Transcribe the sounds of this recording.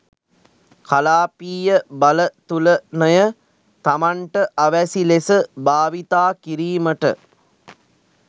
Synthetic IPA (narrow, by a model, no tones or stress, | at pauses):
kalaːpiːjəbɐlət̪ulənəjə | t̪amaɳʈəʔɐʋæsilesəbaːʋit̪aːkiɾiːməʈə